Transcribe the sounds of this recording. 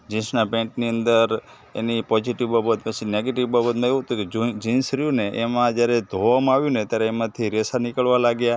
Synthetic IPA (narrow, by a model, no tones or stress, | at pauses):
d͡ʒĩsnapɛ̃ʈniənd̪əɾ | ḛnipɔd͡ʒiʈiʋbabət̪̚pət͡ʃʰineɡeʈiʋbabət̪mãeʋũɦət̪ũked͡ʒd͡ʒĩnsɾijũneʔemãd͡ʒjaɾed̪ʱoʋamãaʋjũnet̪jaɾeːmãt̪ʰiɾɛsanikəɭʋalaɡja